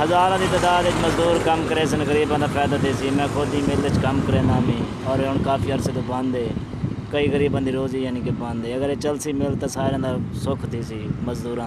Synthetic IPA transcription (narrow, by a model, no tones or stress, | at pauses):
həzaːɾãːd̪iːt̪əd̪aːd̪et͡ʃməzd̪uːɾkəmkəɾeːs̬ənɣəɾiːbãːd̪aːpʰɛːd̪aːt̪ʰiːsiːmɛ̃ːkʰʊd̪iːmɪlet͡ʃkəmkəɾeːnaːmĩː | ɔːɾeːɦʊnɳkaːfʰiːəɾseːt̪õːbãnd̪eː | kəiːɣəɾiːbãːd̪iːɾoːziːjaːniːkebãːnd̪eːəɡəɾeːt͡ʃəlsiːmɪlt̪aːsaːɾeãːd̪aːsʊkʰt̪ʰiːsiːməzd̪uːɾãː